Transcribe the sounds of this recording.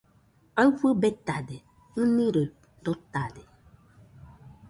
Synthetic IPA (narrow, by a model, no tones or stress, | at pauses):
avəbɛt̪ade | ŋ̩nĩɾe | dɔt̪ade